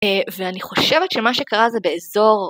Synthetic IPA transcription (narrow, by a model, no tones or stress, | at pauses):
veaniχo̞ʃevetʃemaʃekaʁazɛbeezo̞ʁ